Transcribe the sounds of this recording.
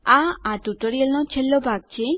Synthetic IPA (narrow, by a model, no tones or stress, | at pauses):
ãaʈuʈoɾijəlnɔt͡ʃʰelːobʱaɡ̚t͡ʃʰe